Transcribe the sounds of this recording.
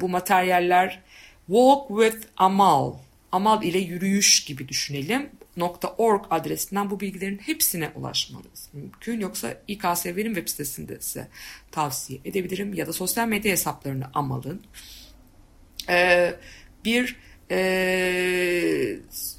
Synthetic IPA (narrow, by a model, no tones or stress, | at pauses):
bumat̪ʰæɾjalʲːæɾ̥ | volˠkwiðamalˠ | amalˠilʲɛjyɾyjyʃɟ̥ibid̪yʃyne̞lʲimno̞kt̪ʰaʔo̞ɾɡad̪ɾesind̪ænbubilʲɟilʲe̞ɾinhepsinɛʔṵlˠa̰ʃma̰nɯz̥mymcʰynjo̞ksa̰ikaːseveɾimvɛpsi̥t̪ʰesind̪ɛ̰isɛ̰t̪ʰavsijɛʔed̪ebilʲiɾimjad̪aso̞sjalʲmed̪jaɦesaplˠaɾɯnɯʔama̰lˠɯn | ɛ | biɾɛ